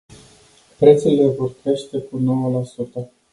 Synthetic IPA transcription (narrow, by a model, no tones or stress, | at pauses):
pɾe̞t̪sule̞vo̞rkɾe̞ʃt̪e̞kuno̞wəlasut̪ə